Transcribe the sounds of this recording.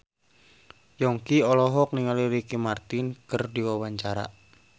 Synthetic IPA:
jɔŋkiɔlɔɦɔk̚niŋaliɾikimart̪inkɨrdiwawaɲt͡ʃaɾa̰

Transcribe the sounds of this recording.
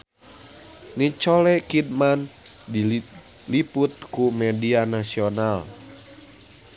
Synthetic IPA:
nit͡ʃɔlɛkid̚man | di | liput̪̚kumɛdianasional

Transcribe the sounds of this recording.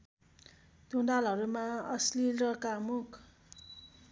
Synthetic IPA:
d̪̥ʱundalɦʌɾumaʌslilrʌkamukʰ

